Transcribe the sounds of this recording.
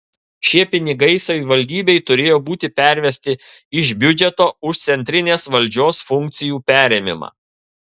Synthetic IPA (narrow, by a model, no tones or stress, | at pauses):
ʃʲiɛpʲɪnʲɪɡɐɪsɐʋʲɪʋɐlʲd̪ʲiːbʲɛɪt̪ʊɾʲeːjoːbuːt̪ʲɪpʲæˑɾʲʋʲɛsʲt̪ʲɪɪʃbʲʊd͡ʒʲɛt̪oːʊʃt̪sʲɛnʲt̪ʲɾʲɪnʲeːsʋɐlʲd͡ʒʲoːsfʊŋʲk̚t̪sʲɪjuːpʲæːɾʲeːmʲɪ̰mɑ̰ː